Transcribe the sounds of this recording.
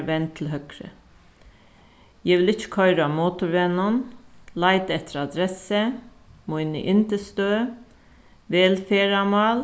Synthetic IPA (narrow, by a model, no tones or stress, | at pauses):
ʋɛnt̪ʰlɦœkɾə̰ | jɛʋɪlɪt͡ʃːə̥kʰœʏɾɑmoːt̪ʊɾʋɛnɑnlæɪt̪ɛt̪ʰəɾɑd̪ɾɛsə | moːɪnə̰ʔɪnt̪əst̪øː | ʋeːlfeːɾɑmɑːl